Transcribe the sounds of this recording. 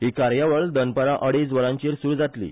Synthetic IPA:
ɦiːkaɾjaʋəɭd̪ənpəɾaʔəɽisʋəɾãɲt͡ɕiːɾsuːɾd͡zat̪lḭː

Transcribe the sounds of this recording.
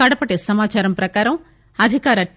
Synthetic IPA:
ɐɽɐpɐʈeːsɐmaːt͡ʃaːɾɐmpɾɐkaːɾɐm | ɐd̪ʱikaːɾɐ

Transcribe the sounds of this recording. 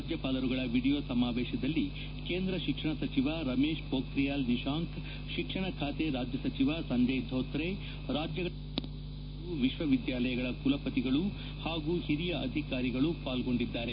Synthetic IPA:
ad͡ʒjɐpaːlɐɾuɡɐɭɐʋiɽijoːsɐmaːʋɛːʃɐd̪ɐlːi | keːnd̪ɾɐʃikʂɐɳɐsɐt͡ʃiʋaɾɐmeːʃpoːkɾijaːlniʃaːŋk | ʃikʂɐɳɐkʰaːt̪e̞ɾaːd͡ʒjɐsɐt͡ʃiʋasɐnd͡ʒeːd̪ʱoːt̪ɾe | ɾaːd͡ʒjɐɡɐ | uʋiʃʋɐʋid̪jaːlɐjɐɡɐɭɐkulɐpɐt̪iɡɐɭu | haːɡuhiɾijɐʔɐ̰d̪ʱikaːɾiɡɐɭupaːlɡo̞ɳɖid̪ːaːɾe

